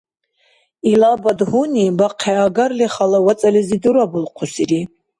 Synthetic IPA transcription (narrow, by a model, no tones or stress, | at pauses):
ilabad̪hunibaqʰɛaɡaɾliχalawat͡sʼalɛzid̪uɾabulqʰɔsiɾi